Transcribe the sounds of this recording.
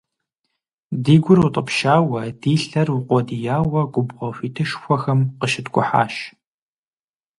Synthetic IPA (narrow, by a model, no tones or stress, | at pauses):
diːɡʷʊrutʼəpʃaːwɐdiːɬɐrʊqʷɔdijaːwɐɡʷʊbʁʷɔfiːtʰɨʃxʷɔxɐmqəʃɪtkʷʼʊ̰ħa̰ːʃ